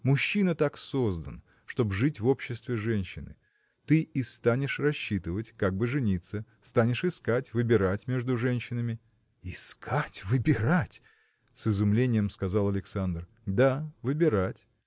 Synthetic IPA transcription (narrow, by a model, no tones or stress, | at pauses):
mʊɕːinət̪aksozd̪ə̰n | ʂt̪o̞bʐɨtʲvo̞pɕːɪst̪vʲɪʐɛnʲɕːɪnɨ̰ | t̪ɨʔɪst̪anʲɪʂrɐɕːit̪ɨvətʲkaɡ̚bɨʐɨnʲit̪səst̪anʲɪʂɨskatʲvɨbʲɪɾatʲmʲe̞ʐd̪ʊʐɛnʲɕːɪnəmʲɪ | ɪskʰatʲvɨbʲɪɾatʲ | sɨzʊmlʲenʲɪjəmskɐzɑlˠɐlʲɪksand̪r | d̪avɨbʲɪɾatʲ